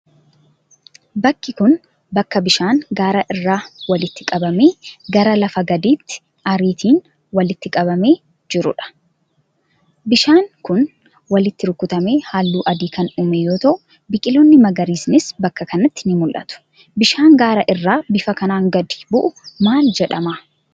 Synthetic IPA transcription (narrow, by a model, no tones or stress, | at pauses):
bɐkːɪkʊn | bɐkːɐbɪʃaːŋɡaːɾɐʔɪrːaːwɐlɪt̪ːɪkʼɐbɐme̞ːɡɐɾɐlɐfɐɡɐd̪iːt̪ːɪ̥ | ʔɐɾiːt̪ʰiːn | wɐlɪt̪ːɪkʼɐbɐme̞ː | d͡ʒɪɾʊ̰ᶑɐ̥ | bɪʃaːŋkʊn | wɐlɪt̪ːɪɾʊkːʊt̪ɐme̞ːhaːlːuːʔɐd̪iːkɐnʊːmejoːt̪ɐʔʊ | bɪkʼɪloːnːɪmɐɡɐɾiːsnɪsbɐkːɐkɐnɐt̪ːɪ̥nɪmʊlʔɐ̰t̪ʊ̥ | bɪʃaːŋɡaːɾɐʔɪrːaːbɪfɐkɐnaːŋɡɐd̪i̥bʊʔʊmaːld͡ʒɛᶑɐmaː